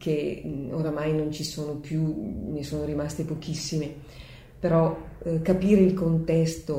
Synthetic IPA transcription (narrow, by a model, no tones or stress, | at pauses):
kʰeoɾamajnont͡ʃisoːnopjunesoːnoɾimast̪epok̟isːime | peɾɔkapiːɾeilkont̪ɛst̪o